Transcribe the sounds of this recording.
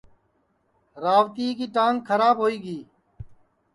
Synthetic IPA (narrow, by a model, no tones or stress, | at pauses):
ɾaːʋt̪iːkiːʈãːŋɡkʰəɾaːbɦoːiːɡiː